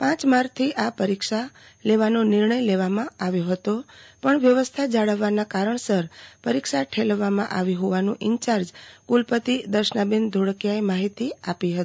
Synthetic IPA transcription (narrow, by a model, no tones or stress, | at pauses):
pãt͡ʃmaɾt̪ʰiʔapəɾikʃa | leʋanonɪɾɳəjleʋamãaʋjoɦət̪opəɳʋjəʋəst̪ʰad͡ʒaɭəʋːanakaɾəɳsəɾpəɾikʃaʈʰelʋːamã̰ʔaʋiɦoʋanũʔɪɲt͡ʃaɾd͡ʒkulpət̪id̪əɾʃnabind̪ʱoɽkjaemaɦit̪iapiɦət̪i̥